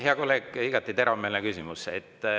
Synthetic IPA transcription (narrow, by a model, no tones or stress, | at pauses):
heɑkolːeːkːiɡ̥ɑt̪ːˑit̪e̞ɾɑmeːlnekysimuseet̪ːˑ